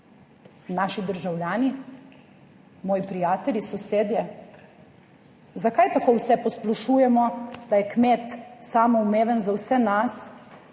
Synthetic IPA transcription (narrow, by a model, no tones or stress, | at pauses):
naːʃid̪əɾʒawljaːni | mɔːjipɾijaːt̪ɛlʲjisɔseːd̪jɛ | zakajt̪akoːwsɛpɔsplaʃuːjɛmɔd̪̥ajɛkmeːt̪saːmɔumeːʋənzawsɛnas